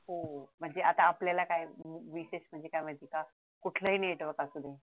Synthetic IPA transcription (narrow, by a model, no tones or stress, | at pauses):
ɦom̤əɳd͡zeʔat̪aːpljalakajmuʋiɕeɕm̤əɳd͡zekajm̤əd̪ʱika | kuʈʰləɦiːneʈʋəkasud̪ʱe